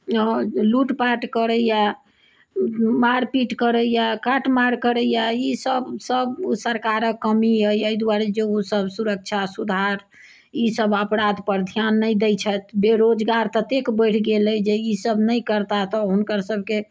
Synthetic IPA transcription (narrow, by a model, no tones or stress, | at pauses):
luʈpaʈkəɾəja | maɾpiʈkəɾəjakaʈʰmaɾkəɾəjaisəbsəbsəɾkaɾəkːəmiɦəjəjd̪waɾed͡ʒeusəbsuɾək̚t͡ʃʰasud̪ʱaɾ | isəbəpɾad̪pəɾd̪ʱjanːəjd̪ɛjt͡ʃʰət̪beɾod͡ʒɡaɾt̪ət̪ekbəjʈʰɡeləd͡ʒeisəbʱnəjkəɾt̪at̪ɔɦunkəɾsəbʱke